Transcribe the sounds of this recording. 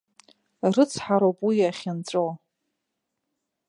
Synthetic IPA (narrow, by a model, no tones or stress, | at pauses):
rɨt͡sʰħaɾowpʼwijaχʲɪnt͡sʷʼow